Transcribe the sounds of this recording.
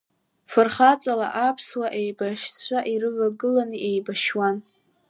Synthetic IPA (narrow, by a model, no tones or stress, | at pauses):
fɨrχat͡sʼala̰ʔapʰswaʔejbaʃt͡sʷʰaʔiɾɨvaɡɨlaniʔejbaʃwan